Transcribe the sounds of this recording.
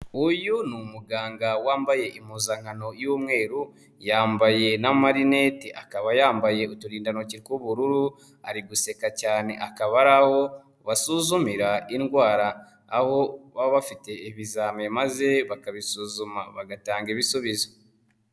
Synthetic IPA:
ujunumuɡaːŋɡawaːmbaje̞ʔimuːzaŋano̞juːmŋe̞ːɾu | jaːmbaje̞namaɾine̞tiʔakaβajaːmbaje̞utuɾiːndano̞ciɾkwuβuɾuɾu | a̰ɾiɡuse̞kacaːne̞̰ʔakaβaɾaho̞ | βasuzumiɾainɡwaːɾaː | ho̞βaβafite̞iβizaːmemaze̞βakaβisuːzumaβaɡataːŋɡeβisuβizo

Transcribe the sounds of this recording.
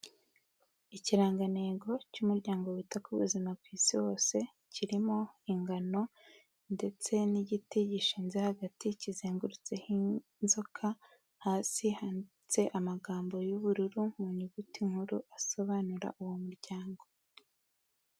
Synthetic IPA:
iciɾaːŋɡaneːɡo̞cumuɾɟaːŋɡo̞wutakuβṵzimab̚kwiːsiwo̞ːse̞ | ciɾimo̞iŋɡano̞ | nde̞t͡se̞niɟitiɟiʃiːnzehaɡaticizeːŋɡuɾut͡se̞hi | nzo̞kʰa | haːsihan | t͡se̞ʔamaɡaːmbo̞juβuɾuɾumuɲuɡutiŋ̥huɾuʔaso̞βanuɾa̰ʔuwomuɾɟaːŋɡo̞

